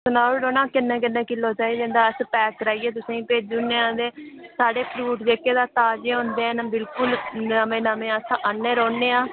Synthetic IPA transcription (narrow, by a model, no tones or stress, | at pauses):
sənaːɾoːnãːkɪnːẽːkɪnːẽːkɪlːoːt͡ʃaːiːd̪ẽːnd̪aːəspɛːkɾaːiːeːt̪̬ʊsẽːĩːpeːd͡ʒunːẽːãːd̪eːsaːɖeːpɾuːʈd͡ʒeːkːeːd̪aːt̪aːd͡ʒeːõːnd̪eːnəbɪlkʊləmẽːnəmẽːaːsãʔənːeːɾoːnːeːãː